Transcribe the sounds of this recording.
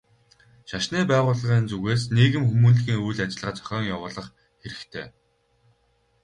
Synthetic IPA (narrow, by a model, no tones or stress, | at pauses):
ʃaʃniːpæːʁʊːɮə̆ʁiːnt͡suɣeːsniːɣɘ̆mxumuːnɮɣiːŋujɮat͡ɕɪ̆ɮʁaːt͡sœ̥xʲɔːŋjawʊːɮə̆χ | xeɾɘ̆kt̪ʰḛː